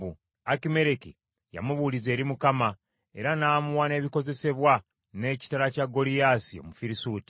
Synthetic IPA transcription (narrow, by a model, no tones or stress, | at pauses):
u | akime̞ɾeki | ja̰muβulize̞ːɾimukama | e̞̰ɾanaːmuwane̞ːβiko̞ze̞se̞βwa | ne̞ːci̥taɾacaɡo̞lijasio̞̰mufiɾisuːti̥